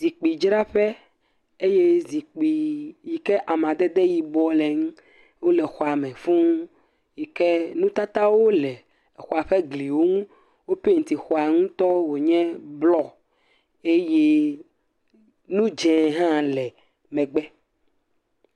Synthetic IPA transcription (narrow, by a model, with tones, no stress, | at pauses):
zi˨k͡pi˨d͡ʒɾa˦ɸɛ˦ | e˦je˦zi˨k͡pi˨ji˨kɛ˦ʔa˨m˨ã˨d̪ɛ˦d̪ɛ˦ji˨bɔ˦lɛ˨ŋ˦ | wo˦lɛ˨xɔ˨a˨mɛ̃˨fũ˦ŋ˦ | ji˨kɛ˦nũ˦t̪a˦t̪a˦wo˦lɛ˨ | xɔ˨a˨ɸɛ˦ɡli˨wo˦ŋũ˦ | wo˦pe˦ŋ̩˨t̪i˨xɔ˨a˨ŋũ˦t̪ɔ˦wo˨ɲɛ̃˦blɔ˨ | e˦je˦ | nũ˦d͡ʒɛ̃˨ɦã˦lɛ˨ | mɛ̃˨ɡ͡bɛ˦